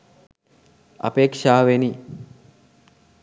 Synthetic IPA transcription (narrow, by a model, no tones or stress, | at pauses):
a̰peːkʂaːʋeni